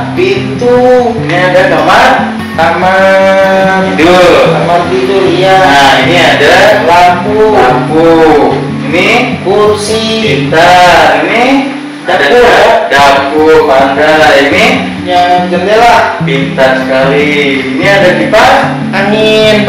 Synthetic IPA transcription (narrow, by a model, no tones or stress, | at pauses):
pit̪uiniadat̪amar | t̪ama | idult̪amanbidulijaainiadadapuapu | inikuupsipint̪aini | dapudapuʔadaini | jaŋd͡ʒəndilapint̪asə̥kali | iniadakipa | aŋɪn